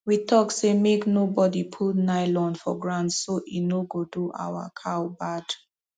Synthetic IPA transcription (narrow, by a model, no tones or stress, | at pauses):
witʰɔksemeknobɔdipʰulnaɪlɔ̃nfɔ̰ɡɹãntsoʔinoɡoduʔa̰wa̰kʰawbad̥